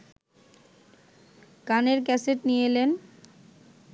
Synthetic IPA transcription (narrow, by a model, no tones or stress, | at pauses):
kaneɾkɛseʈnijelen